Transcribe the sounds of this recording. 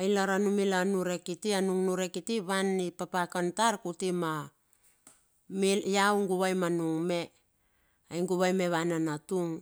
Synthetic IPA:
ajlaɾanumilanuɾe̞kitianuŋnuɾekitiβanipapakantaɾkutima | mijawŋɡuβajmanuŋme̞ | ajŋɡuβajme̞βananatuŋ

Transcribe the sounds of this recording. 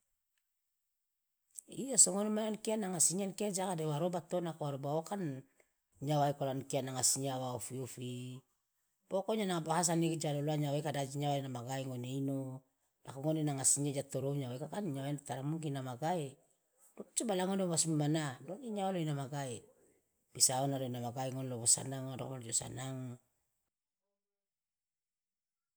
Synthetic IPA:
iasoŋonemanankianaŋasiɲankiad͡ʒakadewaɾobat̪onakoaɾobaokan | ɲawaekolankianaŋasiɲawaofiofi | pokoɲanaŋabahas̬anikd͡ʒaloloaɲawekadad͡ʒiɲawaenamaɡaeŋoneino | la̰koŋonenaŋasiɲad͡ʒat̪oɾoɲawekakanɲawaent̪aɾamuŋkinamaɡae | dopt͡ʃubalaŋondobasmumanadoniɲawaloinamaɡae | b̥isaonaloinamaɡaeŋoneloβosa̰naŋdokoad͡ʒosa̰naŋ

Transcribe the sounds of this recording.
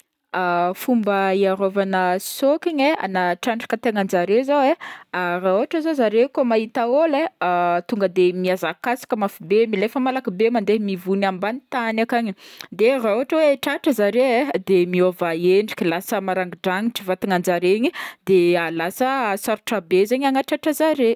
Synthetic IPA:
afumbəiaɾovanəsokiɲea̰naʈ͡ʂaɳɖ͡ʐi̥kət̪eŋand͡ʒaɾezawearauaʈ͡ʂəzozaɾekomaɦit̪aolet̪uŋɡəd̪emiazakasi̥kʲəmafibemilefəmalakibemand̪emivunambanit̪anakaɲid̪erauaʈ͡ʂəweʈ͡ʂaʈ͡ʂəzaɾeed̪emiovaeɳɖ͡ʐi̥kʲilasəmaɾaŋɡiɖ͡ʐaŋiʈ͡ʂivat̪iŋand͡ʒaɾeɲid̪ealasəsaɾuʈ͡ʂabezeɲaŋaʈ͡ʂaʈ͡ʂəzaɾe

